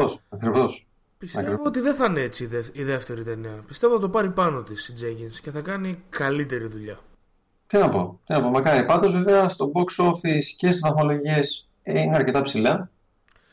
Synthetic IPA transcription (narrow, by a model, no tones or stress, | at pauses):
osɐkɾivos | pistɐk̪ɾevoot̪iðeθɐneet͡sieiðe̞ft̪e̞ɾit̪e̞niɐpist̪e̞voθɐt̪o̞pɐɾipɐno̞t̪isid͡zeɡinsce̞θɐkɐnikɐlit̪e̞ɾiðuʎɐ | t̪inɐpo̞̰t̪inɐpo̞mɐkɐɾipɐnd̪o̞zveveɐst̪o̞boksofiscest̪isðɐθmolo̞ʝies | ineɐɾce̞t̪ɐpsilɐ